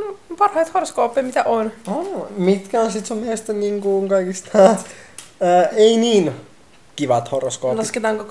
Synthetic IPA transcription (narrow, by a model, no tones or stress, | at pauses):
pɑrhɑjt̪horskoːpːemit̪æʔonomit̪kæonsit̪semeest̪æniːŋkuŋkɑikist̪ɑː | einiːn | kiʋɑt̪horskoːlɑsket̪ɑːŋko